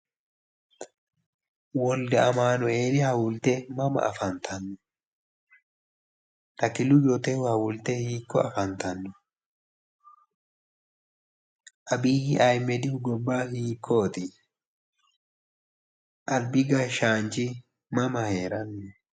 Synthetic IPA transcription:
wɔldɛɐmaːnʊe̞ːɾɪhɐwʊlt̪ɛmɐmɐ̰ʔɐ̰fɐnt̪ʰɐnːɔ | t̪ɐkɪlʊjot̪ɛhhɐwʊlt̪ɛhiːkːɔɐfɐnt̪ɐnːɔ | ʔɐbiːhɪʔɐjmːɛd̪ɪʊɡɔbːaːhiːkʰːot̪ɪ | ʔɐlbɪɡaʃaːnt͡ʃɪ | mɐmɐhe̞ːɾɐnːɔ

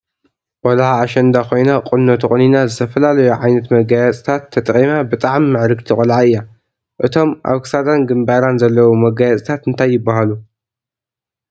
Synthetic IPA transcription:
ʔʼɔlʕaːʃɐnd̪akʰo̞jnaqʼɨnːot̪ʰuχʼɨninazɨt̪ʰɐfɐlalɐjuʕajnɐt̪mɐɡajat͡sʼt̪ʰat̪ʰːɐt̪ʼqʼimabɨt̪ʼaʕmiːɨʕɾɨɡt̪ʰikʼɔlʕaɨjːa | ʔɨt̪ʰo̞mʔa̰βkʰɨ̥sad̪anɡɨmbaɾanzɐlːɐwumɐɡajat͡sʼt̪ʰat̪ɨnt̪ʰajːɪbːaɦalu

